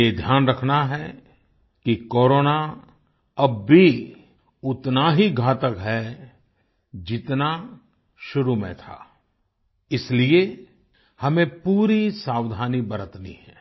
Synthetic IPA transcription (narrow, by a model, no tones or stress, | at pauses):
jed̪ʱjaːnɾɐkʰnaɦɛ | kikoːɾoːna | ɐbːi | ʊt̪naɦiɡʱaːt̪əkɦɛ | d͡ʒɪt̪na | ʃʊɾumḛ̃t̪ʰa̰ː | ɪslie | hɐmẽpuːɾisaːwd̪ʱaːnibəɾət̪nḭɦɛː